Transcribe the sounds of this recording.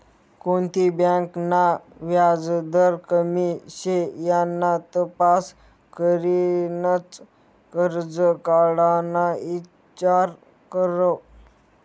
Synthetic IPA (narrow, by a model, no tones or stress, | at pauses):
kont̪ibãknaʋjad͡zd̪əɾkəmiɕejanːat̪əpas | kəɾinət͡s | kəɾd͡zəkaɽanai | t͡ɕaɾ | kəɾə